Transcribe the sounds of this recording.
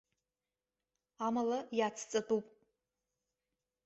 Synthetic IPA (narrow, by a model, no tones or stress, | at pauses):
amalajat͡sʰt͡sʼatʼupʼ